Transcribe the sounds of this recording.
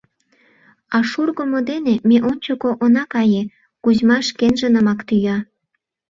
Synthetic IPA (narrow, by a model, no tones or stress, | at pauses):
ɑʃurɣomod̪enemeʔonʲt͡ɕokoʔonɑkɑje | kuzmɑʃkenʒənə̆mɑkt̪yjɑ